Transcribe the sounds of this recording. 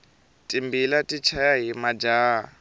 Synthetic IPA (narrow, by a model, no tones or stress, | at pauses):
tʼimbilatʼit͡ʃʰajaɦimad͡ʒaː